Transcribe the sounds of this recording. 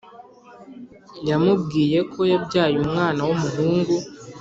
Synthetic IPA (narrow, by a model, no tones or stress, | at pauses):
jamub̚ɡiːje̞kʰo̞jabɟaːjumŋaːnawomuɦuːŋɡu